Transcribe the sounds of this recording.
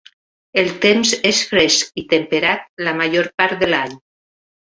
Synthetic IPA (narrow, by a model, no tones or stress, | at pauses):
elˠt̪emzesfɾeskit̪empeɾat̪̚lamaʒoɾpaɾt̪ðelaɲ